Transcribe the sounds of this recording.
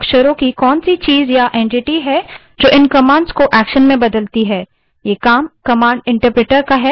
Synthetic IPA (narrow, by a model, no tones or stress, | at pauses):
kʃəɾõkikɔːnsit͡ʃiːzjaʔẽːɳʈɪʈiɦɛ | d͡ʒoːʔɪnkɐmaːɳɖzkoʔɛːkʃənmẽbɐd̪əlt̪iɦɛː | jeːkaːmkɐmaːɳɖɪ̃ɳʈəɾpɾeːʈəɾkaɦɛ